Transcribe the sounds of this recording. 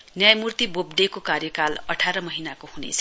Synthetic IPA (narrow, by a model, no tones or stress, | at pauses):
njajmurt̪ibobɖekokarjʌkalʌʈʰaɾʌmʌɦinakohunḛt͡sʰʌ